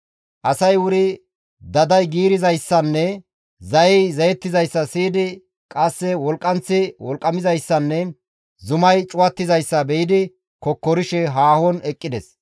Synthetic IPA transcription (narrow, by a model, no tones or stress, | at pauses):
ʔɐsɐjwʊɾɪ | d̪ɐd̪ɐjɡiːɾɪzɐjsːɐnːɛ | zɐjɛjzɐjɛt̪ːɪzɐjsːɐsiːd̪ɪ | kʼɐsːɛwɔlkʼːɐnt͡sːɪwɔlkʼːɐmɪzɐjsːɐnːɛ | zʊmɐjt͡ʃʼʊwɐt̪ːɪzɐjsːɐbɛjɪd̪ɪ | kɔkːɔɾɪʃɛɦaːhɔnɛkʼːɪd̪ɛs